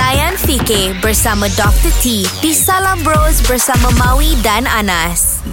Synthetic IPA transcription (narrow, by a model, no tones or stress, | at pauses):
tajanfikebəɾsamə̃dɔk̚t̪ət̪ʰipisalambɾosbəɾsaməmawidananas